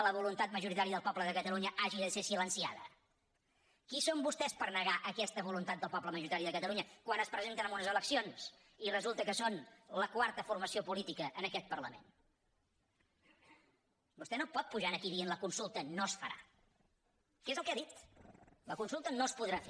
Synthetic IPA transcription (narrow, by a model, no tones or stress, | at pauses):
ləβulunt̪at̪̚məʒuɾit̪aɾiəðəlˠpɔpbləðəkət̪əluɲəʔaʒiðəsesilənsiaðə̰ | kisombust̪ɛspəɾnəɣaʔəkɛst̪əβulunt̪at̪̚d̪əlˠpɔpləməʒuɾit̪aɾiəðəkət̪əlˠuɲəkwanəspɾəzent̪ənəmunəzələksions | irəzulˠt̪əkəsonləkwaɾt̪əfurməsiopulit̪ikəʔːnəkɛt̪̚pərləmḛn | bust̪ɛnopɔt̪̚puʒanəkiðienləkunsulˠt̪ənosfəɾa̰ | kezəlˠkeaðit̪ləkunsulˠt̪ənospuðɾafe